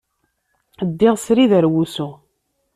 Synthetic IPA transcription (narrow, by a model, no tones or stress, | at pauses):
əd̪ːiʁsɾiðəɾwusu